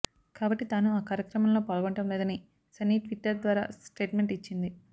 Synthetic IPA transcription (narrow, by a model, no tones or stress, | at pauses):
kaːbɐʈːit̪aːnuaːkaːɾjɐkɾɐmɐmlo̞ːpaːlɡɐɳʈɐmleːd̪ɐni | sɐniːʈʋiʈːɐɾd̪ʋaːɾa̰ːsʈe̞ːʈme̞ɳʈit͡ʃːind̪i